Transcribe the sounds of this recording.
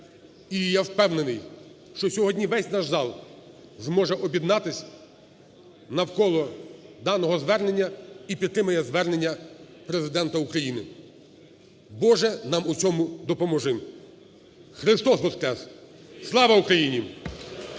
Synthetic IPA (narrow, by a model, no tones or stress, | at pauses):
ijawpɛwnenɪj | ʃt͡ʃɔsʲɔɦɔdʲnʲiʋɛsʲnɑʒzɑlˠ | zmɔʒɛʔɔbʲjid̪nɑt̪ɪsʲ | nɐwkɔlˠɔd̪ɑnɔɦɔzʋɛrne̞nʲːɐipʲid̪t̪ːɾɪmɐjɛzʋɛrne̞nʲːɐ | pɾezɪd̪ɛnt̪ɐukɾɐjinɪ | bɔʒɛnɑmut͡sʲɔmʊd̪ɔpɔmɔʒɪm | xɾɪst̪ɔsbɔskɾɛs | slˠɑʋɐukɾɐjinʲi